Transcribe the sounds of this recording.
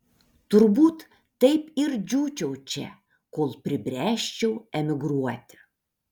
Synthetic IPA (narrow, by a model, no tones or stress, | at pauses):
t̪ʊɾbuːt̪ː | ɐɪpɪɾd͡ʒʲuːt͡ʃʲɛʊt͡ʃʲɛ̰ | koːlˠpʲɾʲɪbʲɾʲæːʃʲt͡ʃʲɛʊɛmʲɪɡɾuɔt̪ʲɪ̥